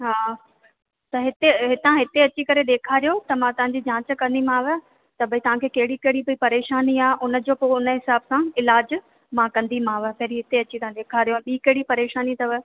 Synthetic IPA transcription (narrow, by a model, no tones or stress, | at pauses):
ɦaː | t̪ɐɦɪt̪eɦɪt̪ãɦɪt̪eɐt͡ɕikɐɾeɗ̪eːkʰaːɾijot̪ɐmãt̪ɐʋ̤ãɲ̆d͡ʑid͡ʑãːt͡ɕə̆kɐ̃nd̪imãːʋə | t̪ɐbɐit̪ɐʋ̤ãkʰeːkɐɦɪɽikɐɦɪɽibəipɐɾeːʃaːniaːʔʊnə̆d͡ʑoːpoʊnə̆ɦɪsaːbsãɪlaːd͡ʑ | mãkɐ̃nd̪imãːʋəpɐɦɪɾiɦɪt̪eɐt͡ɕit̪ɐʋ̤ãɗ̪eːkʰaːɾijoɛ̃ːɓiːkɐɦɪɽipɐɾeːʃaːnit̪ɐʋə